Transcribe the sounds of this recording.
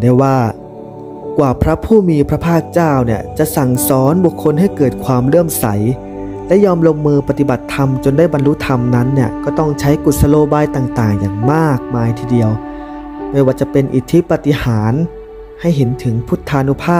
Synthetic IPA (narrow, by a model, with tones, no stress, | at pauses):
daː˥˩waː˥˩ | kwaː˨˩pʰɾa˦˥pʰuː˥˩miː˧pʰɾa˦˥pʰaː˥˩k̚t͡ɕaː˥˩wni˥˩ət͡ɕa˨˩ʔsa˨˩ŋsɔː˨˦˥nbu˨˩kʰːo˧nɦa˥˩jkɤː˨˩t̪̚kʰwaː˧mɾɯ˥˩əmsa̰˩˦j | lɛ˦˥jɔː˧mlo˧ŋːɯː˧pa˧˩t̪i˨˩ba˨˩t̪ʰːa˧mt͡ɕo˧ndaː˥˩jba˧nlu˦˥t̪ʰa˧mna˦˥nːi˥˩ɐkɔː˥˩t̪ɔ˥˩ŋt͡ɕʰa˦˥jku˨˩t̪̚sa˧loː˧baː˧jt̪aː˨˩ŋt̪aː˨˩ŋja̰ː˨˩ŋmaː˥˩k̚maː˧jt̪ʰiː˧˩di˧əw | mɯ˥˩waː˧˩t͡ɕa˨˩pe˧nʔḭ˨˩t̪ʰi˦˥pa˧t̪i˧haː˩˦n | ha˥˩jɦe˩˦nt̪ʰɯ˩˦ŋpʰu˦˥t̪ʰːaː˧nu˦˥pʰaː˥˩